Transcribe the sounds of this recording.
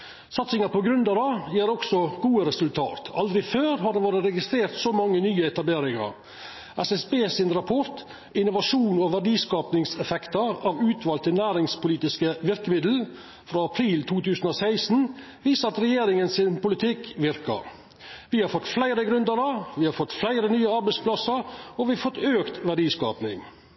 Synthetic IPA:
sɑt̪sɪŋɑpɔɡɾʉnd̪əɾɑjeːɾɔksɔɡ̥uːəɾɛsʉlt̪ʰɑ̰ːt̪ʰɑld̪ɾɪføːɾɦɑɖɛʋoːɾəɾɛɡɪst̪ɾeːɾt̪soːmɑŋːənyːəɛt̪ɑbleːɾɪŋɑ̰ɾ | ʔɛsɛsbeːsɪnɾɑpʰɔɾt̪ | ɪnʊʋɑʂuːnɔʋæɖiːskɑːpnɪŋsɛfɛkt̪əɾɑʋʉːt̪ʰʋɑːlt̪ʰɪlnæːɾɪŋspʊliːt̪ɪskəʋɪɾkəmɪd̪l̩ | fɾɑːɑpʰɾiːlt̪ʰuːt̪ʰʉːsən̩oːsæɪsn̩ | ʋiːsəɾɑt̪ɾɛjeːɾɪŋənsɪnpʊlɪt̪ʰɪkʋɪɾkɑ̰ɾ | ʋɪhɑɾfɔt̪ːflæɪɾəɡɾʉnd̪əɾɑʋɪhɑɾfɔt̪ːflæɪɾənyːəɑɾbæɪspʰlɑsəɾɔʋɪfɔt̪ːøːkt̪ʋæɖiːskɑ̰ːpnɪ̰ŋ

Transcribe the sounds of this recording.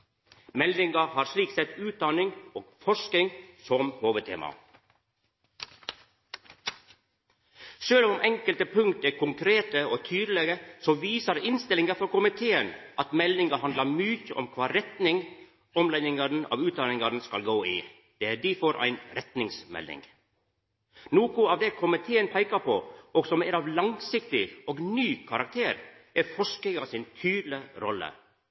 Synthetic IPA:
mɛlɪŋɑhɑːɾsliːksɛt̪ʉːt̪̚d̪ɑnɪŋoːɡ̥fɔʂkɪŋsɔmhoːʋət̪ʰḛːmɑ̰ | ʃøːlɔmʔɛŋkəlt̪əpʰʉŋt̪əkʰʊŋkʰɾeːt̪əoːt̪ʰyːd̪əlɛɡəsoːʋiːsəɾɪnst̪ɪlɪŋəfɔɾkʊmɪt̪ʰeːənʔɑt̪mɛlnɪŋɑhɑnd̪əmʏçəʔɔmkʰʋɑːɾɛt̪nɪŋ | ɔmlɛnɪŋɑdn̩ɑ̰ʋʉːt̪̚d̪ɑːnɪŋɑɾn̩skɑlɡoːɪ̰ | d̪̥ɛæɖifɔɾʔæ̰ɪnɾɛt̪nɪŋsmɛ̰lːɪ̰ŋ | noːkʊɑːʋd̪ɛkʰʊmɪt̪ʰeːənpʰæɪkɑpʰɔɔɡsɔmæɾɑːʋlɑŋsɪkt̪ɪɔːɡnyːkʰɑɾɑk̚t̪ʰeːɾ | æɾfɔʂkəɡɑsɪnt̪ʰyːd̪lɪɾɔ̰lːə̰

